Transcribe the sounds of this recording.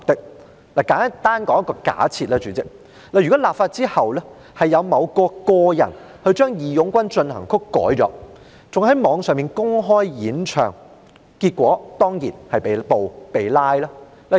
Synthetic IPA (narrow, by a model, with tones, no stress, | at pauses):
k̚t̪ɪ˥k̚ | laː˨˩kaː˨˥n˥t̪aː˥nkɔː˨˥ŋjɐ˥kːɔː˧ka̰ː˨˥t͡sʰiː˧t̚lɛː˥t͡ʃyː˨˥t͡sɪ˥k̚ | laː˨˩jy˨kɔ˨˥laː˨pfaː˧t̚t͡siː˥hɐ˨˩wlɛː˥ | hɐ˨jːɐ˨˧wmɐ˨˧wkɔː˧kɔː˧jɐ̰˨˩n | hɵ˧ɥt͡ʃœː˥ŋjiː˨˧jʊ˨˥ŋkʷɐ˥nt͡ʃɵ˧nhɐ̰˨˩ŋkʰʊ˥kːɔ̰ː˨˥jt͡sɔ̰ː˨˥ | t͡sʊ˨ŋɦɐ˨˥jmɔː˨˧ŋsœː˨ŋmiː˨nkʊ˥ŋɦɔː˥jjiː˨˥nt͡ʃʰœː˨˩ŋ | kiː˧t̚kʷɔː˨˥t̪ɔː˥ŋjḭː˨˩nhɐ˨jpe˨po˨wpe˨jlaː˥jlaː˥ | la˨